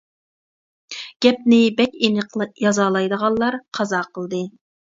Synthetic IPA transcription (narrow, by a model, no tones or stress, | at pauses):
ɡ̥ʲɛp̚nɪbɛkʲenəqlˠɨjɑzɑːlˠɑjd̪əʁɑlˠlˠɑɾqʰɑzɑːqʰəlˠd̪ɨ